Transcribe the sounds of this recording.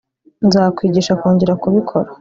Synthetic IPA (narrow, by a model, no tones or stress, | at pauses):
nzaːkwiːɟiːʃakoːɲɟe̞ɾakuβikʰo̞̰ɾa